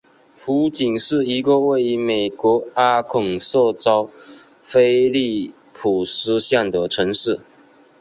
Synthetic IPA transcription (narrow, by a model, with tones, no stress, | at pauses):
fu˧˥t͡ɕi˨˩ŋʂɻ̩˥˩i˧˥ɡə˧we˥˩ɪi˧˥me˨˩ɪkwɔ˧˥a˥kʰʊ˨˩ŋso˥˧t͡sɑ˥ʊ | fe˥ɪli˥˩ | pʰu˨˩sɹ̩˥ɕja˥˩ŋd̪ə˨˩ʈ͡ʂʰɤ˧˥ŋʂɻ̩˥˩